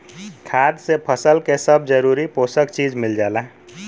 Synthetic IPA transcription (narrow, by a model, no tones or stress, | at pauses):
kʰad̪sepʰəsəlkesəbd͡ʒəɾuːɾipoːsəkt͡ʃiːd͡ʒmɪld͡ʒaːlaɦ